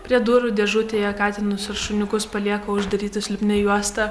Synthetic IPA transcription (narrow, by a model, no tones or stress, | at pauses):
pʲɾʲiɛd̪uːɾʊd̪ʲɛʒuːt̪ʲeːjɛkɑːt̪ʲɪnʊsɪɾʃʊnʲʊkʊspɐlʲiɛkoːʊʒd̪ɐɾʲiːt̪ʲɪsʲlʲʊpʲnʲɪjuɔst̪ɐ